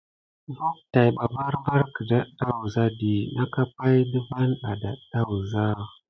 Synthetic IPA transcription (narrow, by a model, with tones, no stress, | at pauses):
vu˦k̚ta˨jɓa˨va˦ɾva˦ɾkə˨da˦da˦wu˨za˦di˨na˦ka˦pa˦jdə˦va˦nɗa˨da˨da˦wu˨za˦